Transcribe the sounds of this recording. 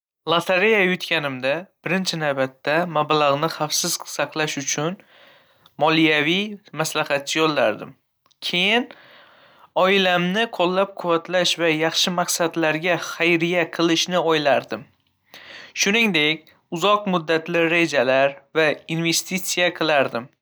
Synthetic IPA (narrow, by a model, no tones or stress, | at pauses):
lˠat̪ʰaɾejajʊt̪kʲʰanɪmd̪ab̥ɪɾɪnt͡ʃʰɪnavbat̪ːamablaʁnɪχafsɪz̥sɑqlˠaʃʊt͡ʃʰʊn | mɒlijavijmaslahat̪̚t͡ʃʰːɪjɒlːaɾd̪ɪ̰m | kʲʰe̞jɪn | ɒɪlamnɪqʰolˠːap̚qʰʊvːat̪ʰlaʃvajɑχʃɪmaqsad̪laɾɡʲaχajɾijaqʰɨlˠɪʃnɪɒjlaɾd̪ɪm | ʃʊnɪŋd̪e̞kʲ | ʊzɒqmʊd̪ːat̪lɪɾe̞d͡ʒalaɾvainve̞st̪it̪sijaqʰɨlˠaɾd̪ɪm